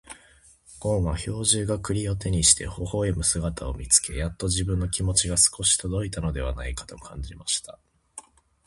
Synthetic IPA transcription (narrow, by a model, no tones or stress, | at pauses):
ɡ̥õ̞ɰ̃βaço̞ːʑɨːɡakɯ̟ɾʲio̞t̪e̞ɲ̟iɕi̥t̪e̞̰ho̞ho̞ːemɯ̟sɨɡat̪ao̞mʲit͡sɨ̥ke̞jat̪ːo̞ʑibɯ̟̃nːo̞kʲimo̞t͡ɕiɡasɨ̥ko̞ɕi̥t̪o̞d̪o̞it̪ano̞d̪e̞βa̰naikḁt̪o̞kʰã̰ɲ̟d͡ʑimaɕi̥t̪ḁ